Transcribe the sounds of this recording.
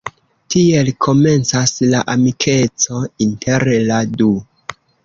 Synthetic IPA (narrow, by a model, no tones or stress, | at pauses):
tie̞lkʰo̞me̞nt͡saslaʔamikʰe̞t͡so̞intʰe̞ɾladu